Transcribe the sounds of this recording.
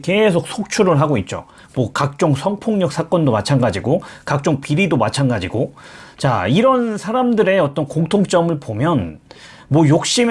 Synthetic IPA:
ke̞sʰok̚sʰok̚t͡ɕʰuɾɯɭɦaɡoit̚t͡ɕ͈o̰ | mwʌkak̚t͡ɕ͈oŋsʰʌŋpʰoŋɲʌk̚s͈ʰak͈ʌndomat͡ɕʰanɡad͡ʑiɡokak̚t͡ɕ͈oŋpiɾidomat͡ɕʰanɡad͡ʑiɡot͡ɕa̰iɾʌnsʰaɾamdɯɾe̞ʌt͈ʌnkoŋtʰoŋt͡ɕ͈ʌmɯɭpomjʌn | mwʌjok̚ɕ͈im

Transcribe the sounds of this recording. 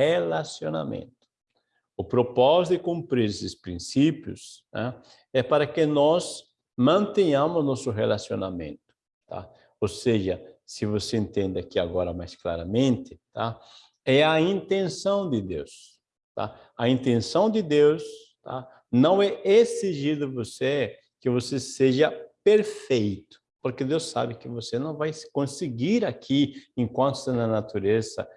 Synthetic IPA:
helasjona̰mḛ̃nt̪ʊ̥ | ʊpɾopɔzt̪ʊd̪ɪkũmpɾiɾesɪspɾĩsipjʊ̰s | ɛ̰̃ | ɛpaɾɐkenɔs | mɐ̃nt̪eɲɐ̃mʊznɔsʊɦelasjonamḛ̃nt̪ʊ̥ | t̪ʰa̰ | oseʒɐsɪvoseẽnt̪ẽnd̪ɪakiaɡɔɾɐmajskla̰ɾɐmẽnt̪ɪt̪a | ɛɐĩnt̪ẽnsɐ̃w̃d̪ɪd̪ews | t̪a̰ | ɐĩnt̪ẽnsɐ̃w̃d̪ɪd̪ews | t̪ʰa̰ | nɐ̃w̃ɛeziʒid̪ʊvose | kɪvoseseʒɐpeɾfejt̪ʊ̥poɾked̪ewsa̰bɪkɪvosenɐ̃w̃vajsɪ̥kõsɪɡiɾakʰiẽŋkwɐ̃nt̪ʊ̥enɐnat̪uɾezɐ̰

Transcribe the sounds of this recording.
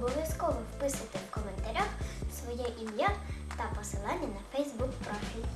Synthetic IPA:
bɔʋʲjɐskɔʋɔwpɪsɐt̪ɪwkɔment̪ɐɾʲaxwsʋɔjɛʔimjat̪ɐpɔsɪlˠɑnʲːɐnɐfɛjzbukpɾɔfʲilʲ

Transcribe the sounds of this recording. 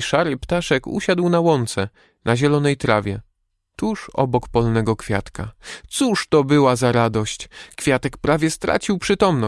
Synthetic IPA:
ʂaɾɘpt̪aʂɛkṵɕad̪wnawɔnt̪sɛ | naʑɛlɔnɛjt̪ɾavʲjɛ | t̪uʂɔ̰bɔkpɔlnɛɡɔkfʲja̰t̪kat̪suʂt̪ɔbɘwazaɾad̪ɔɕt͡ɕkfʲjat̪ɛkpɾavʲjɛst̪ɾa̰t͡ɕiwpʂɘt̪ɔmnɔ

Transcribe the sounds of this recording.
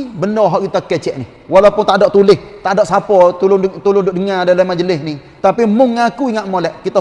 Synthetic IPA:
bənɔɦɔʔkit̪akɛt͡ʃɛʔni | walapʊnt̪adɔʔt̪ulɪst̪adɔʔsapɔt̪ulʊnt̪ulʊndʊʔ̚dəŋadalamad͡ʒəlɪsni | t̪apimʊŋakuiŋaʔ̪̚molɛʔkit̪a

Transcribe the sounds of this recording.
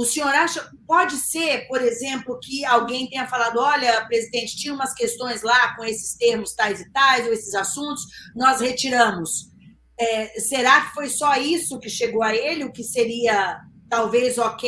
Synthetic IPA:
ʊsĩoɾaʃɐ | pɔd͡ʒɪseɾpoɾezẽmplʊkɪawɡẽj̃t̪ẽɲ̃ɐfalad̪ʊɔʎɐpɾezid̪ẽnt͡ʃɪ̥t͡ʃ̪ĩɲɐ̃ũmɐskest̪õj̃zlakõesɪ̥st̪eɾmʊst̪ajzɪt̪ajzowesɪzasũnt̪ʊsnɔshet͡ʃiɾɐ̃mʊs | ɛseɾakɪ̥fojsɔisʊkɪʃeɡowɐelɪʊkɪseɾiɐt̪awvezoke

